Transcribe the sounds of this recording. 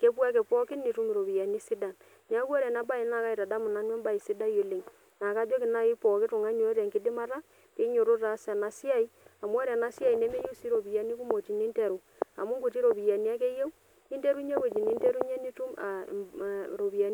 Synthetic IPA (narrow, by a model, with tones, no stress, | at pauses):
ke˦pwa˦ke˨pɔ˦kɪ˦ni˨tu˦m˨ɾo˨bi˨ja˨ni˦si˦da˨n | n˦a˦ku˦ɔ˦ɾɛ˨na˦ba˦i˨na˨ka˦i˨ta˨da˦mʊ˨na˨˦nwɛ˦mba˦i˨sɪ˦da˦jo˨le˨ŋ | na˨ka˦d͡ʒɔ˦kɪ˨na˦ɪ˦pɔ˨kɪ˦tʊ˨ŋa˦ɲo˨e˦ɾɛ˨ŋkɪ˦dɪ˦ma˦ɾa˦ | ke˦ɲo˨ɾo˦ta˨˦sa˨na˨si˦a˦˨i˦a˨mwɔ˦ɾɛ˨na˦sja˦i˨ne˦me˦ju˦si˦ɾo˨bi˨ja˨ni˦ku˦mo˨ti˨ni˦nte˨ɾu˨ | a̰˨mu˦ŋɡu˨ti˦ɾo˨bi˨ja˨ni˦a˦k̬e˦je˦w | i˦nte˦ɾu˦ɲe˦we˨t͡ʃi˨ni˦nte˦ɾu˦ɲe˦ni˦tu˦ma̰˨ | ɾo˨bi˨a˨ni˦